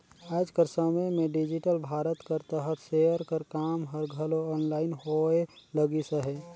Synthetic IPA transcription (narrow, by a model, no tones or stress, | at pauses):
aːd͡ʒkəɾsəməjmẽɖɪd͡ʒɪʈəlbʱaːɾət̪kəɾt̪əɦət̪ʰseəɾkəɾkaːmɦəɾɡʱəloɔːnlaːɪnhoeləɡisəɦɛ